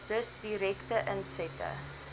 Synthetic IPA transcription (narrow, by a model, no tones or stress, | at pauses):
d̥əsdiɾɛktəʔənsɛtə̰